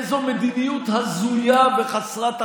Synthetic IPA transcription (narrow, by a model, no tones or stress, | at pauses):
zomed̪inijut̪hazujaveχaslat̪a